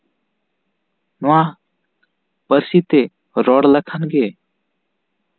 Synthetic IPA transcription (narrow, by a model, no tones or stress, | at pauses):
noã | pəɾsit̪e | ɾɔɽləkʰənɡe